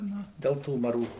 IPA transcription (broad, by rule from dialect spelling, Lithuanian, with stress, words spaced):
ˈnʊ ˈdʲɛlˠ tuː mɐˈruː